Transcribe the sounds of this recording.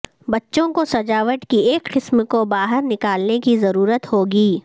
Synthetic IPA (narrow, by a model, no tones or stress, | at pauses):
bɐtːʃõkosɐd͡ʒaːʋəʈkieːkqɪsmkobaːɦəɾnɪkaːlnekizɐɾuːɾət̪hoːɡiː